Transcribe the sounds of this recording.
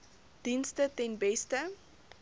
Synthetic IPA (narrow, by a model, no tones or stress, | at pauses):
d̥instətɛnbɛstə